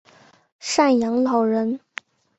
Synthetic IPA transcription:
ʂa˥˩njɑ˧˥ŋlɑ˨˩ʊɻə˧˥n

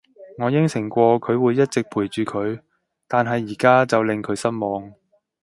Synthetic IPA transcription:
ŋɔː˨˧jɪ˥ŋsɪ˨˩ŋkʷɔː˧kʰɵ˨˧ɥwuː˨˧jɐ˥t̚t͡sɪ˨k̚pʰuː˨˩jt͡ʃyː˨˧kʰɵ˨˧ɥ | t̪aː˨nɦɐ˨jːiː˨˩kaː˥t͡sɐ˨wlɪ˨ŋkʰɵ˨˧˥ɥsɐ˥nmɔː˨˧ŋ

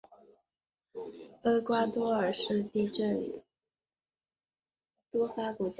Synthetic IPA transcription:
ə˥kwa˥t̪wɔ˥ə˞˨˩ʂɻ̩˥˧t̪i˥˧ʈ͡ʂə˥˩n˩ | t̪wɔ˥fa˥ku˨˩t͡ɕ

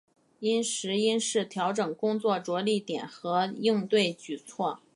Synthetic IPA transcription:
i˥nʂɻ̩˧˥i˥nʂɻ̩˥˩t̪ʰjɑ˧˥ʊʈ͡ʂɤ˨˩ŋkʊ˥ŋt͡swɔ˥˩ʈ͡ʂwɔ˧˥li˥˩t̪jɛ˨˩nxɤ˧˥i˥˧ŋt̪we˥˩ɪt͡ɕy˨˩t͡sʰwɔ˥˩

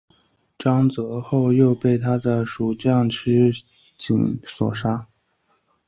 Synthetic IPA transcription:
ʈ͡ʂɑ˥ŋt͡sɤ˧˥xo˥˧ʊjo˥˧ʊpe˥˩ɪt̪ʰa˥d̪ə˨ʂu˨˩t͡ɕjɑ˥˩ŋʈ͡ʂʰɻ̩˥ | t͡ɕḭ˨˧˩ŋswɔ̰˨˩ʂa˥

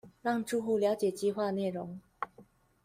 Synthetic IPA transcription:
ɻɑ˥˧ŋʈ͡ʂu˥˧xu˥˩ljɑ˧˥ʊt͡ɕjɛ˨˩t͡ɕi˥˧xwa˥˧ne˥˩ɪɻʊ˧˥ŋ

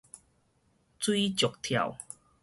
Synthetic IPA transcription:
t͡swi˦t͡ɕjo˨˩k̚t̪ʰja̰˨˩w

